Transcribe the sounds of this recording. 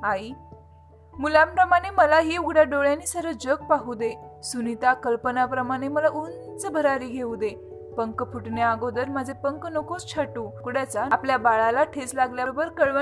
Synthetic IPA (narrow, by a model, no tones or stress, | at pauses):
ai | mulampɾəmaɽ̃eməlaɦiuɡɽjaɖoɭjanːiːsəɾəd͡ʑək̚paɦud̪esunit̪akəlpənapɾəmaɽ̃eməlaʔun | t͡səbʱəɾaɾiɡʱeud̪e | pəŋkpʰuʈnjaaɡod̪əɾməd͡zʱepəŋknokost͡ɕʰaʈuːkuɽjat͡saapljabaɭalaʈʰeslaɡljabəɾkəɭʋə